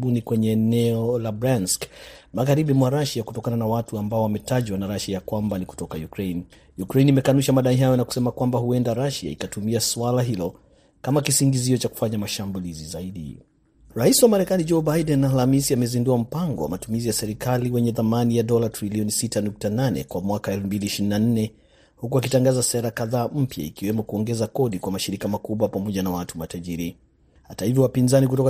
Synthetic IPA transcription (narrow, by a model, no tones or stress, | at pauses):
unikwɛɲɛːnɛɔlabɾanskmaɣaɾiɓimwaɾaʃakutɔkananawatuambaɔwamɛtaʄwanaɾaʃajakwambaniku̥tɔkajukɾejn | jukɾeinimɛkanuʃamaɗaiɦajɔnaku̥sɛmakwambahuɛndaɾaʃa̰ḭkatumiaswalaɦilɔ | kamakisiŋɡiziɔt͡ʃaku̥faɲamaʃambulizizaiɗḭ | ɾaisiwamaɾɛkanid͡ʒɔbajdɛnalamisiamɛzinduam̩paŋɡɔ̰wa̰matumizijasɛɾikaliwɛɲɛθamanijaɗɔlatɾiliɔnisitanuk̚tananɛ̰kwamwakaɛlfm̩biliːʃiɾinan̩nɛ | hukuakitaŋɡazasɛɾakaðaːm̩pja̰ḭkiwɛmɔkuɔŋɡɛzakɔɗikwamaʃiɾikamakuɓwapamɔʄanawatumataʄiɾi | hatahivjɔwapinzanik̬utɔka